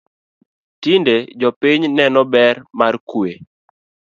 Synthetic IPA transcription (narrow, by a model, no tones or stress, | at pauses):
tinded͡ʒɔpiɲnɛnɔbɛrmarkwe